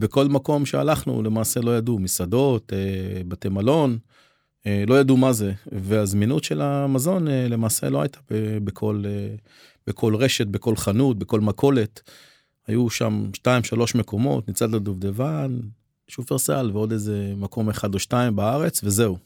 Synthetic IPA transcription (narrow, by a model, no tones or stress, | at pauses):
beko̞lmako̞mʃea̰laχnṵle̞maːse̞lo̞jadumisad̪o̞t̪ebatemalo̞n | elo̞jad̪umaze̞veazminutʃe̞lamazo̞nele̞maːse̞̰loa̰jt̪ḁbebekʰo̞le | bekʰo̞lʁe̞ʃe̞t̚be̞ko̞lχanut̚beko̞lmakʰo̞le̞t̪ | ajuʃa̰mʃtaimʃalo̞ʃme̞ko̞mo̞̰t̪nit͡sad̪lod̪uvd̪evan | ʃufeʁsa̰lveo̞dejze̞mako̞meχad̪oʃtaimbaaʁe̞t͡sve̞ze̞u